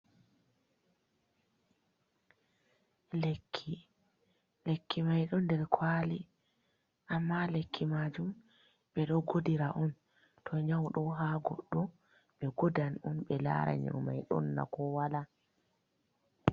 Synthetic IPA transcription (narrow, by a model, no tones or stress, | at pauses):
lekʰːi | lekʰːimajɗɔndɛɾkʰwali | ʔamːalekʰːimad͡ʒum | ɓɛɗɔɡodiɾaʔɔn | tʰɔɲawɗɔɦaɡɔ̰ɗːɔ | ɓɛɡodanɔnɓɛla̰ɾa̰ɲa̰ma̰jɗɔ̰nːa̰kɔwala